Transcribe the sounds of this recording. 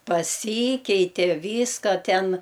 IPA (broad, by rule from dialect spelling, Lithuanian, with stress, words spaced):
pɐˈsʲiːkʲɛɪtʲeː ˈʋʲiːskɐ ˈtʲɛn